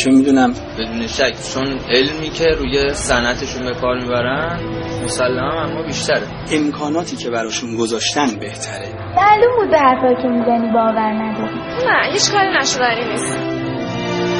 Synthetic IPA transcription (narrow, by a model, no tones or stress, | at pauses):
t͡ʃʰomid̪uːnæm | b̥e̞d̪uːne̞ʃæcʰːt͡ʃʰone̞lmiːcʰe̞ɾuːje̞sænʔæt̪ʰeʃunbe̞kʰɒːɾmiːbæɾænmosælːæmæmæmːɒːbiːʃt̪ʰæɾe | e̞mkʰɒːnɒːt̪ʰiːcʰe̞bæɾɒːʃunɡo̞zɒːʃt̪ænbe̞ht̪ʰæɾe | mælumbuːd̪̚behæɾfɒːjicʲʰe̞miːzæniːbɒːvæɾnæd̪ɒːɾiːnæhit͡ʃkʰɒːɾinæʃod̪ææɾinis